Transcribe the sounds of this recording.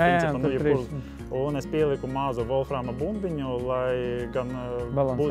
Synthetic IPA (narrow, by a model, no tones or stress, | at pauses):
nipanujipuɾ | unespʲiɛlˠikumaːzuʋɔlˠfɾaːmabumbʲiɲʲulˠajɡanbu